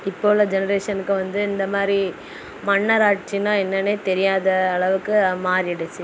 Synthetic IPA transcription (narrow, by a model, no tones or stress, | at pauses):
ɪpːoːɭɐd͡ʒɛnɐɾeːʂɐnɯkːɯʋɐnd̪ɯɪnd̪ɐmaːd̪ɾi | mɐɳːɐɾaːʈt͡ʃːinãːɛnːɐneːt̪ɛɾɪjaːðɐːɭɐʋɯkːɯmaːɾɪɽɐt͡ʃːɯ